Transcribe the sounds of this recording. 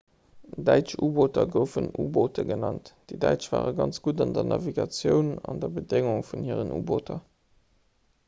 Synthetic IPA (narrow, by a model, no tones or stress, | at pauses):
dæɪt͡ʃuːboːtɐɡəʊfənuːboːtʰəɡənɑntd̥ədæɪt͡ʃv̥a̰ːʁəɡɑnt͡sɡ̥udɑndɐnʔɑviɡɑt͡sjəʊnɑndɐbədeŋʊŋfunhiːəʁənʔṵːboːtʰɐ